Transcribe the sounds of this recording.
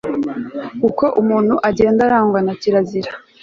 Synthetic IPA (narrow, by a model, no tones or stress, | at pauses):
kuko̞ʔumuːn̥huʔaɟe̞ːndaɾaːŋɡwanaciɾaziɾa